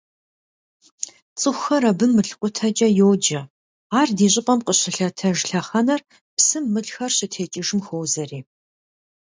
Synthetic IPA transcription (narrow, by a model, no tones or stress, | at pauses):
t͡sʼɨxʷxɐɾɐbɨmːɨɬqʷʼʊtʰɐd͡ʒʼɐjowd͡ʒɐ | aːrdiːɕʼɪpʼɐmqəɕɪɬɐtʰɐʒɬɐχɐnɐr | psɨmːɨɮxɐrɕɪtʰeːt͡ʃʼɪʒɨmxowzɐriː